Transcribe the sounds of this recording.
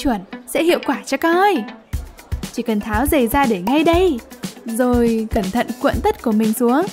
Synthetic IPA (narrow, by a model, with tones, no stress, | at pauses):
t͡ɕwi˧˩nsɛ̰˧˥hḭ˧˨əwkwaː˧˩t͡ɕɔ˧ka˨˧˦əː˧j | t͡ɕi˧˩kə˨˩nt̪ʰaː˨˦wzə˨˩jzaː˧ɗe˧˩ŋa˧jɗə˧jzo˨˩jkə˧˩nt̪ʰə̰˧˨nkwḭ˧˨nt̪ə˦˥t̚ku˧˩əmï˨˩ŋ̟su˨˦əŋ